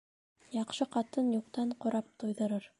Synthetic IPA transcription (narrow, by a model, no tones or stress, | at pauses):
jɑqʃɤqɑt̪ɤnjuqt̪ɑɴqŏɾɑp̚t̪ujðɤ̆ɾɤɾ